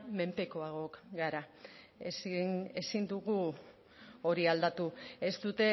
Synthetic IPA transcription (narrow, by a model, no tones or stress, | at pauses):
me̞mpe̞ko̞aɣ̞o̞kɡaɾa | esne̞sind̪uɣu | o̞ɾiald̪at̪uest̪ut̪e̞